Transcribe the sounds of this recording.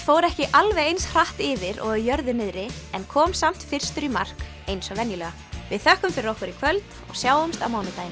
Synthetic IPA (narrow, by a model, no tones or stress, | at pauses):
foːwɾɛhcɪʔalvɛjejnsr̥aht̪ɪːvɪɾɔ̰ɣjœɾðʏnɪðɾɪɛnkʰɔːmsam̥t̪fɪr̥st̪ʏɾimar̥k | ejnsɔvɛnjʏlœːɣa | vɪðθœhkʏmfɪɾɪɾɔhkʏɾikʰvœlt̪ | ɔ̰ɣsjaːwðʏmst̪a̰wmaːwnɪt̪ajɪn